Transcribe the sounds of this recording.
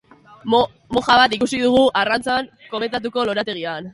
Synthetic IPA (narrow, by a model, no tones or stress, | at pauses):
mo̞xaβ̞at̪ikusiðuɣ̞uʔarant͡saŋ | ko̞me̞nt̪at̪̬uko̞lo̞ɾat̪e̞ɣian